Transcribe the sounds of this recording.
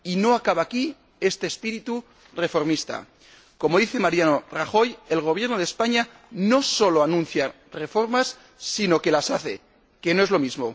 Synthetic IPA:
ino̞akaβaːki | e̞st̪eːspiɾit̪u | re̞fo̞ɾmist̪a̰ | ko̞mo̞ðiθe̞maɾjano̞raxo̞je̞lɣ̞o̞β̞je̞ɾnoð̞espaɲa | no̞so̞lo̞anũn̟θja | re̞fo̞ɾmasː | ino̞ke̞lasaθe̞̰ | ke̞no̞e̞zlo̞mizmo̞

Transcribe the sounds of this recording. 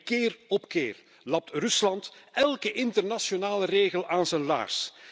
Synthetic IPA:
kɪːrɔpkeːr | lɑp̚trʏslɑnt̪ɛlˠkəʔɪntərnasjonaːləreːɣəlʔaːnzənla̰ːrs

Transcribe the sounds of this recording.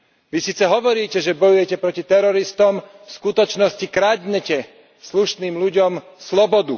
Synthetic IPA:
ʋisiːt͡sɛɦɔʋɔɾiːcɛʒɛbɔjujɛcɛpɾɔcit̪ɛɾɔɾist̪ɔm | fskut̪ɔt͡ʃnɔscikɾad̪ɲɛcɛ | sluʃniːmluɟɔm | slɔbɔd̪ṵ

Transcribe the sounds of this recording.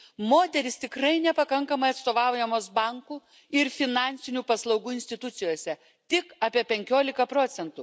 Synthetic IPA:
moːt̪ʲɛɾʲɪst̪ʲɪkɾɐɪnʲɛpɐkɐŋkɐmɐɪɐt̪st̪oːʋɑˑʊjɛmoːsbɑŋkuː | ɪɾfʲɪnɑˑnʲsʲɪnʲuːpɐslˠɒʊɡuːɪnsʲt̪ʲɪt̪ʊt̪sʲɪjoːsʲɛ | t̪ʲɪkɑːpʲiɛpʲɛŋʲkʲoːlʲɪkɐpɾoːt̪sʲɛnt̪u

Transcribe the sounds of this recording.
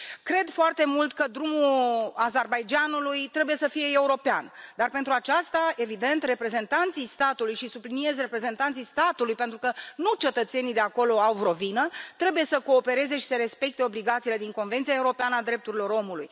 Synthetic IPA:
kɾe̞d̪foart̪e̞mult̪kəd̪ɾumuazerbajd͡ʒanulujt̪ɾe̞buje̞səfije̞euɾo̞pea̰nd̪arpe̞nt̪ɾuat͡ʃast̪ae̞vid̪e̞nt̪re̞pɾe̞ze̞nt̪ant̪sijst̪at̪ulujʃisublinie̞zre̞pɾe̞ze̞nt̪ant̪sijst̪at̪ulujpent̪ɾukənut͡ʃe̞t̪ət̪se̞nijd̪e̞ako̞lo̞awvro̞vinət̪ɾe̞buje̞səko̞ːpe̞ɾe̞ze̞ʃi̥seɾe̞spe̞k̚t̪e̞o̞bliɡat̪sile̞d̪iŋko̞nvent̪siae̞uɾo̞peanəad̪ɾe̞p̚t̪uɾilo̞ɾo̞mulṵj

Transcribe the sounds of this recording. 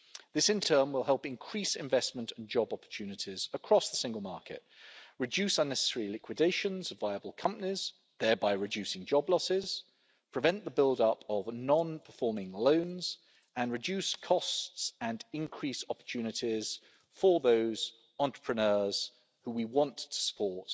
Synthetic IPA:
ðɪsɨ̃ntʰɜ̃ːmwɪlˠɦɛlˠpɪ̃nkʰɹ̥isɪ̰̃ɱvɛsmə̃ntʰə̃n̩d͡ʒɒbɒpə̥tʰʉnɪtʰɪz̥əkʰɹ̥ɒsðəsɪ̃ŋɡəlˠmɑ̰ˑkɪ̰t̚ɹɨd͡ʒʉˑsʌ̃nːɛsə̥sɛɹilɪkʰwɨdeɪʃə̃nzəvaɪəbəlˠkʰʌ̃mpəniz̥ | ðəːbaɪɹɨdʉˑsɪ̃ŋd͡ʒɒblɒsɪz̥ | pʰɹ̥ɨvɛ̃nʔðəbɪlˠdʌpəvnɒ̃npʰəfɔːmɪ̃ŋlə̃ʊ̃nz̥ | ə̃nɹɨd͡ʒʉˑskʰɒstsə̃nɪ̃nkʰɹ̥isɒpə̥tʰʉːnɨtʰɪz̥ | fə˞ðoʊz̥ | ɑ̃ntɹ̥ə̥pʰɹ̥ənɜːz̥ | huwiwɒ̃ntʰə̥sə̥pʰɔɹt

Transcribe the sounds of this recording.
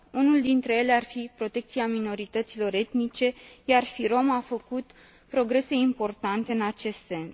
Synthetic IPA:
unuld̪int̪ɾe̞je̞le̞arfipɾo̞t̪e̞k̚t̪siamino̞ɾit̪ət̪silo̞ɾe̞t̪nit͡ʃe̞jarfiɾo̞mafəkut̪ | pɾo̞ɡɾe̞se̞impo̞rt̪ant̪e̞ɨnat͡ʃe̞st̪se̞ns

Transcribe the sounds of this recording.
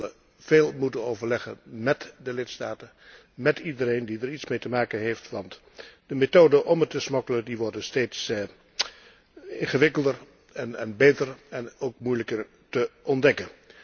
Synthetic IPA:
lə | v̥eːlˠmutənowvəɹlɛχə̰nmɛtdəlɪtstaːtə | mɛtidəɾejndidəɹitsmejtəmaːkənɦejftʋɑnt | d̥əmetoːdəʔɔmətəsmɔkələndiʋɔɹdəsteːts | ɪ̰nχəʋɪkəlˠdər | ɛnɛnbejtərɛnoːkmujləkər | təʔɔndɛkən

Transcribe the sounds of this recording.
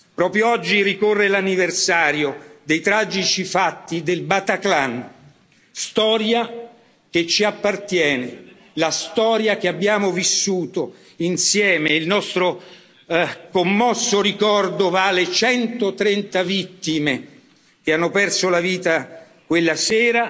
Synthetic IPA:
pɾɔːpɾjoɔd͡ʒːirikorːelanːiversaːɾjod̪ejt̪ɾaːd͡ʒit͡ʃifat̪ːid̪elbat̪aklan | st̪ɔːɾja | k̟et͡ʃːiapːart̪jɛːne | last̪ɔːɾjak̟eabːjaːmovisːuːt̪o | insjɛːmeilnɔst̪ɾo | komːɔsːoɾikɔrd̪ovaːlet͡ʃɛnt̪ot̪ɾɛnt̪avit̪ːime | k̟eanːopɛrsolaviːt̪a | kwelːasɛːɾa

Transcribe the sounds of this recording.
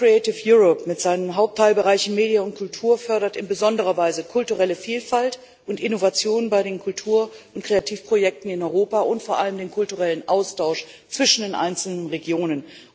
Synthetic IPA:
ʁ̥iɛtɪfjuːʁɔpmɪtz̥aɪnəmɦaʊp̚tʰːaɪlbəʁaɪçɪnmeːdjənʊntkʰʊltʰuːɐfœɐɾɐtɪnbəzɔndəʁ̞ɐvaɪzəkʰʊltuʁɛləfiːlfalt | ʔʊntʔɪnovat͡sjoːnbaɪɾeːnkʰʊltʰuːɐʊntkʁ̥eatʰiːfpʁ̥ojɛk̚tn̩ɪnɔʏʁoːpaʊntfoːɐʔaləmdeːnkʰʊltuʁɛlənʔaʊstʰaʊʃ | t͡sv̥ɪʃn̩deːnʔa̰ɪnt͡sl̩nənʁeɡjoːnən

